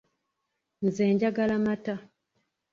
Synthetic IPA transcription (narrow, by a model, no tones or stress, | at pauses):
n̩zeːɲɟaɡalamata